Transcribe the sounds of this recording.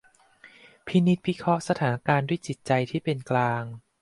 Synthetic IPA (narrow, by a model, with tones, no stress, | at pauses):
pʰi˦˥ni˦˥t̪̚pʰi˦˥kʰɾɔ˦˥ʔsa˧t̪ʰaː˩˦na˦˥kaː˧ndu˥˩əjt͡ɕi˨˩t̪̚t͡ɕa˧jt̪ʰiː˥˩pe˧nklaː˧ŋ